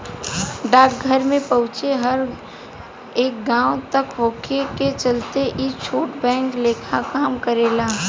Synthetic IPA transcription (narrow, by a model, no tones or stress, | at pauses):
ɖaːk̚ɡʱəɾmẽpɐ̃ɦʊ̃t͡ʃeɦɐɾ | eːk̚ɡãːot̪ɐkɦoːkʰeket͡ʃəlt̪eʔit͡ʃʰoːʈbɛ̃ːŋkleːkʰakaːmkəɾeːlaː